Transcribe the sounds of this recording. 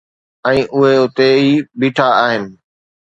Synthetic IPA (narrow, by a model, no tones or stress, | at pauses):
ɛ̃ːʔʊɦeʊt̪eiːbiːʈʰaaːɦɪnɪ̆